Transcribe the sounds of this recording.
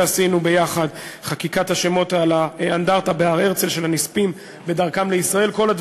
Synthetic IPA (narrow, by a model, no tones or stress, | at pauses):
asinube̞jaχadχakikathaʃemo̞t̪alaandaʁt̪abeaʁe̞ʁt͡selʃe̞lhanispim | be̞dɐʁkamleisʁae̞lko̞lad̪